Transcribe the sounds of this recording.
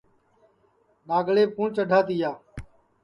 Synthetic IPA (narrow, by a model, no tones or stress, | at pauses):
ɗaːɡɭeːkũːɳt͡ʃəɖʱaːt̪ɪːjaː